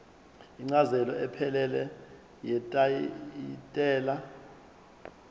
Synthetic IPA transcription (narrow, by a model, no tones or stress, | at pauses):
iŋ͡ǀazɛlɔɛpʰɛlɛlɛ | jɛtʼaitʼɛːla